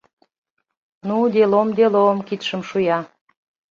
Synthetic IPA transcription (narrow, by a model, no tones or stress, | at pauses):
nud̪elomd̪elomkit̪ʃə̆mʃujɑ